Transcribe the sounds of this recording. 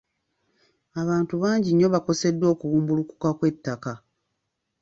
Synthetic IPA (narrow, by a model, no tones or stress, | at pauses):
aβaːntuβaːɲɟiɲːo̞βako̞se̞dːwo̞ːkuwuːmbuluku̥kakwe̞tːaka